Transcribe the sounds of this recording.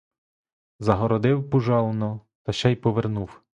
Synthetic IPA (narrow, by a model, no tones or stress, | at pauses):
zɐɦɔɾɔd̪ɪwpʊʒɑlˠɔnɔ | t̪ɐʃt͡ʃɛjpɔʋernuw